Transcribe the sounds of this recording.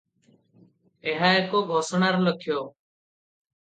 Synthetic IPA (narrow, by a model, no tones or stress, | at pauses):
eɦaːeːkoːɡʱoːsɳaːɾləkʰjoː